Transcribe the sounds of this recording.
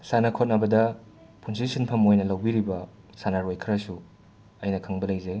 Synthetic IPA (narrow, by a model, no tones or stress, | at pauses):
sanɐkʰot̚nɐbɐdɐ | pʰunsisinpʰɐmojnɐlɐwbiɾibɐ | sanɐɾojkʰɾɐsu | ɐjnɐkʰɐŋbɐlɐjzɐj